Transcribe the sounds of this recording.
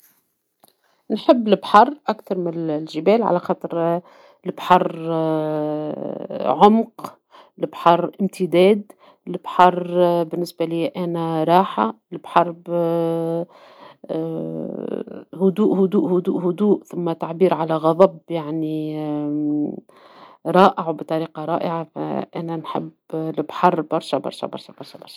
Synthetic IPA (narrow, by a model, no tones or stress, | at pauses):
nħɪbːlɪbħɑrˤːʔakθɑɾˤmɪnlʒɪbɛːlʕa̰læxɑːt̪ˤɨɾ | lɪbħɑrˤ | ʕʊmq | lɪbħɑɾˤʔɪmt̪ʰɪd̪ɛːd̪ | lɪbħɑrˤbɪnːɪsbaliʔæːnæɾˤɑːħa | lɪbħɑrˤb | hʊd̪uːʔhʊd̪uːʔhʊd̪uːʔhʊd̪uːʔθʊmːæt̪aʕbiːɾʕalæɣɑd̪ˤɑbjaʕni | ɾˤɑːʔɪʕwbt̪ˤɑɾiːqɑɾˤɑːʔɪʕafæ̰ʔæːnænħɪ̰b | lɪbħɑrˤbɑɾˤʃæbɑ̰ɾˤʃæ̰bɑ̰ɾˤʃɑ̰bɑɾˤʃɑbɑɾˤʃ